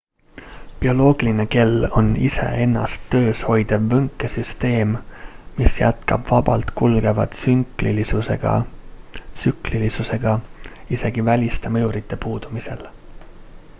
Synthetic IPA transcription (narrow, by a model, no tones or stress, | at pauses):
pio̞lo̞ːɡ̥iline̞ke̞lːo̞nise̞̰e̞nːɑ̰st̪ːø̞ːsho̞jd̪̥evːɤŋkˑːe̞syst̪e̞ːmmisjæ̰t̪kɑb̥vɑbɑlt̪kulɡ̥e̞vɑ̰t̪syŋklilisuse̞̰ɡ̥ɑ̰ | sykˑlilisuse̞ɡ̥ɑise̞ɡ̥ivælʲist̪emɤuɾit̪ːˑe̞puːd̪̥umise̞̰l